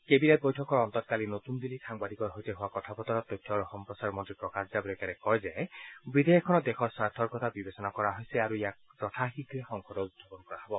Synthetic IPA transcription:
kebinet̚bɔjtʰɔkɔɹɔntɔtkalinotunbilikʰaŋbadikɔɹɦojtɛɦuwakɔtʰapɔtɔɹɔt̪ɔjtʰːɔɹɔxɔmpɹɔsaɹmɔntɹipɹɔkaszabɔlɛkanɛkɔjzɛbid̪ʱejɔkʰːɔnɔdɛxɔɹsaɹtʰɔɹkɔtʰabibesɔnakɔɹaɦojsɛaɹuijaktɔtʰaxikɹɛxɔŋkʰɔdɔudʰʱɔpɔnkɔɹaɦɔbɔ

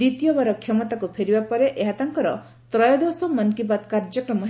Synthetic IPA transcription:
it̪ijɔbaɾɔkʰjɔmɔt̪akupʰeɾibapɔɾeʔeɦat̪aŋkɔɾɔ | t̪ɾɔjɔd̪osɔmɔnkibat̪kaɾd͡ʒɔkɾɔmɔɦ

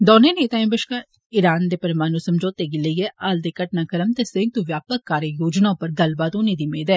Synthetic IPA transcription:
d̪ɔːneːneːt̪aĩbəʃkaː | ɪɾaːnd̪eːpəɾmaːnũsəmd͡ʒoːt̪eɡɪləiɛːʔaːld̪eːkəʈnaːkəɾəmt̪eːsẽŋ̚t̪uʋjaːpəkːaːɾejoːd͡ʒnãpəɾd̪ɐlbaːd̪oːneːd̪iːmeːd̪ɛː

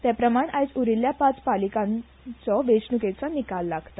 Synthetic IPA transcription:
t̪japɾəmaɳajt͡suɾiljapat͡spalikãn | t͡sɔʋeɕnuket͡sɔnikalːaɡt̪ḁ

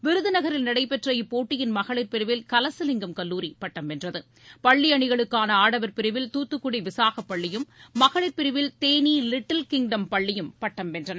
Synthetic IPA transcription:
ʋɪɾɯðɯnɐɣɐɾɪlnɐɽɐɪpɛʈrɐjɯpoːʈːɪjɪnmɐɣɐɭɪɾpɪɾɪʋɪlkɐlɐsɯlɪŋɡɐmkɐlːuːɾipɐʈːɐmɛndrɐðɯ | pɐɭːiɐɳɪɣɐɭɯkːaːnɐaːɽɐʋɐɾpɪɾɪʋɪlt̪uːt̪ːɯkːʊɽiʋɪsaːɣɐpːɐɭːɪjɯmːɐɣɐɭɪɾpɪɾɪʋɪlt̪eːnilɪʈːɐlkɪŋɖɐmpɐɭːɪjɯmpɐʈːɐmɛndrɐnɐ

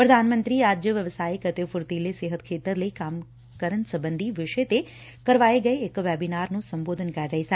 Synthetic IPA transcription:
pɾəd̪ʱanmənt̪ɾiɾad͡ʒjəʋjəʋsaːjikət̪efʊɾt̪ileseɦət̪kʰeːt̪əɾləikam | kəɾənsəbənd̪ʱiʋɪʃət̪e | kəɾʋaeɡəeekʋɛbinaɾnũsəmboːd̪ʱənkaɾɾəɦisa

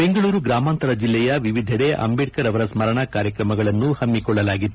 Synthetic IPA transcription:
be̞ŋɡɐɭuːɾuɡɾaːmaːnt̪ɐɾɐd͡ʒilːɛjɐʋiʋid̪ʱɐɽeʔɐ̰mbiʈkɐɾɐʋɐɾɐsmɐɾɐɳɐkaːɾjɐkɾɐmɐɡɐɭɐnːuhɐmːikɔɭːɐlaːɡit̪ː

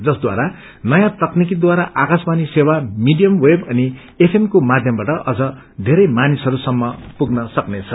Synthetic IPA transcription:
d͡zʌsd̪wa̰ɾa | nʌjãt̪ʌknik̬id̪waɾaʔakasbanisewamiɖijʌmwebʌni | epʰemkomad̪ʱjʌmbaʈʌʔʌd͡zʌ | d̪ʱeɾʌjmanisɦʌɾusʌmːʌpuɡnʌsʌknet͡sʰʌ

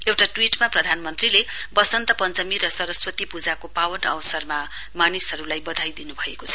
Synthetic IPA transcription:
ewʈaʈwiʈmaprʌd̪ʱanmʌnt̪rilebʌsʌnt̪ʌpʌnt͡sʌmiɾʌsʌɾʌswʌt̪ipud͡zakopawʌnʌwʌsʌrma | manisʌɾulajbʌd̪ʱajd̪inubʱʌekot͡sʰʌ

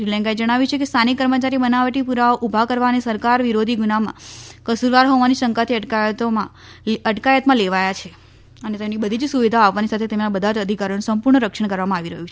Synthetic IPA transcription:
ɾilɛ̃ŋɡaed͡ʒəɽ̃aʋjut͡ʃʰekest̪ʰanikːəɾmət͡ʃaɾibənaʋəʈipuɾaoʔubʱakəɾʋanesəɾkaɾʋiɾod̪ʱiɡunamã̰kəsuɾʋaɾɦoʋaniʃəŋkat̪ʰiəʈkajət̪omã | əʈkajət̪mãleʋajat͡ʃʰe | ənet̪emnibəd̪ʱid͡ʒsuʋid̪ʱaaʋʋanisat̪ʰet̪emnabəd̪ʱad͡ʒəd̪ʱikaɾjonũsəmpuɾɳəɾəkʂəɳkəɾʋamãaʋiɾəɦjũt͡ʃʰe

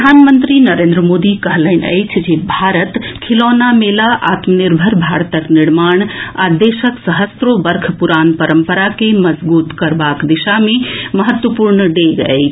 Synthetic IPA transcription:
d̪ʱanmənt̪ɾinəɾẽnd̪ɾəmod̪ikəɦləɪnə̰jt͡ʃʰd͡ʒebʱaɾət̪kʰilonamelaʔa̰t̪məniɾbʱəɾbʱaɾt̪əkniɾmaɳ̃ad̪esəksəɦəst̪ɾobəɾkʰpuɾanpəɾəmpəɾakeməd͡ʒbut̪kəɾbakd̪isameməɦət̪wəpuɾnəɖeɡə̰jt͡ʃʰ

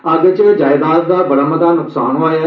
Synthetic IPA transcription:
aːɡet͡ʃd͡ʒaːɪd̪aːd̪d̪aːbəɽaːmət̪aːnʊksaːnɦoaːja

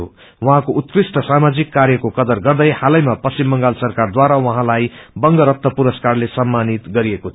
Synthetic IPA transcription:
o̰ | wʌɦãkoʔut̪̚krisʈʌsamad͡zikːaɾjʌkokʌd̪ʌrɡʌrd̪ʌjhalʌjmapʌst͡ɕimːʌŋɡalsʌrkard̪waɾawʌɦãlajbʌŋɡʌɾʌt̪ːʌpuɾʌskarlesʌmːanit̪ɡʌɾiekot̪ʰ

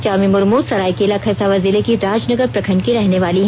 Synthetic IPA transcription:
t͡ʃaːmimʊɾmusɐɾaːjkeːlakʰɐɾsaʋɐziːlekiɾaːd͡ʒnɐɡəɾpɾɐkʰə̃ɳɖkiɾɛɦneʋaːliɦ

